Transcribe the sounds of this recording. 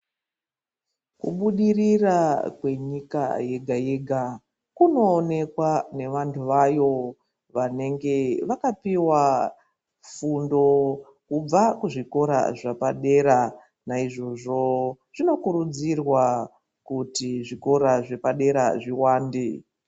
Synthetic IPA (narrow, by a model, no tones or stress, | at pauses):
kṵɓuɗirirakwe̞ɲika̰je̞ɡʱaje̞ɡʱa | kuno̞ːne̞kwane̞ʋantʰuʋajo̞ | ʋane̞ŋɡe̞ʋakapiwa | fundo̞ | kub͡vakuʐiko̞ɾa̰ʐapaɗe̞ɾa | naiʐo̞ʐo̞ | ʐ̥ino̞kuɾud͡zirwa | kutiʐiko̞ɾaʐe̞paɗe̞ɾa̰ʐiwaːnde